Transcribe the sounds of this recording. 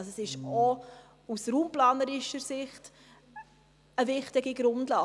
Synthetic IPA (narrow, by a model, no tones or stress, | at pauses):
ssɪʃɔ | usɾuːmplɑːnəɾɪʃəɾsɪχt | əvɪχtɪɡiɡɾʊndlɑː